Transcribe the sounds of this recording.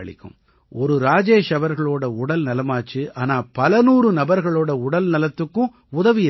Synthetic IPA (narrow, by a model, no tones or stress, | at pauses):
ɐɭɪ̰kʲːɯ̰̃m | ɔɾɯɾaːd͡ʒeːʂɐʋɐɾɣɐɭoːɽɐʊɽɐlnɐlɐmaːt͡ʃːɯʔaːnaːpɐlɐnuːɾɯnɐbɐɾɣɐɭoːɽɐʊɽɐlnɐlɐt̪ːɯkːʊ̃ | ʊðɐʋɪjɪ